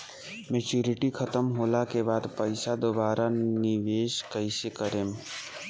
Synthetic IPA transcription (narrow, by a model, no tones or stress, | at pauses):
met͡ʃuːɾɪʈikʰɐt̪əmɦoːlakebaːd̪pəɪsad̪obaːɾanɪʋeːʃkəisekəɾẽːm